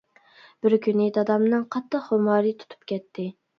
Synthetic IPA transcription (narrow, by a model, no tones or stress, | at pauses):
b̥ɪɾkʲʰynɪd̪ɑd̪ɑmnɨŋqʰɑt̪ːəχhomɑːɾɨt̪ʰu̥t̪ʰu̥p̚kʲʰɛt̪ʰːɪ